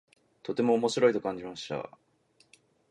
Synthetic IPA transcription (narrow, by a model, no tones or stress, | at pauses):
t̪o̞t̪e̞mo̞ːmo̞ɕiɾo̞it̪okãɲ̟d͡ʑimaɕi̥t̪a̰